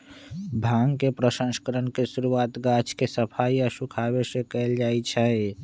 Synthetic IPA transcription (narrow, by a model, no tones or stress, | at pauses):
bʱaŋkepɾəsə̃nskəɾənkesuɾuaːt̪ɡat͡ʃʰkesəpʰaiəsukʰaːbesẽkɛld͡ʒaːit͡ʃʰɛ